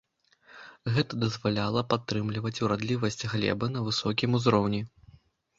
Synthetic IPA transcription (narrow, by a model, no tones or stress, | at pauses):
ɣɛt̪ɐd̪ɐzvalʲalˠɐpat̪ːɾɨmlʲivɐt͡sʲuɾad̪lʲivɐsʲt͡sʲɣlʲɛ̰bɐnɐvɨsɔkʲimuzɾɔwnʲi